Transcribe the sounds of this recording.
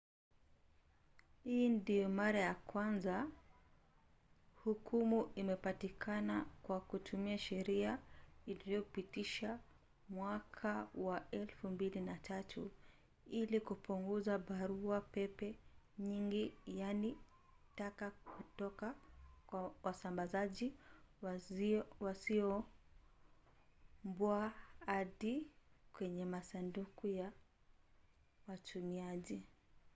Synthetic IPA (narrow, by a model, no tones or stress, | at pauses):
hindijɔmaɾajakwanza | hukumuimɛpatikʰanakwakutʰumiaʃɛɾiailijɔupitiʃa | mwakʰawaɛlfumbilinatʰatʰu | ilikupuŋɡuzaɓaɾuapɛpɛ | ɲiŋɡijani | takakutɔkakwawasambazaʄi | wasiɔ | mbwaaɗikwɛɲɛmasandukuja | watʰumiaʄi